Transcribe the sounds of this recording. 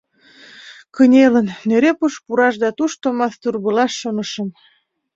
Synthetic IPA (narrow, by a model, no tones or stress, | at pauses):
kənʲelənːeɾepuʃpuɾɑʃ̬d̪ɑt̪uʃt̪omɑθt̪urβəlɑʃːonəʃə̆m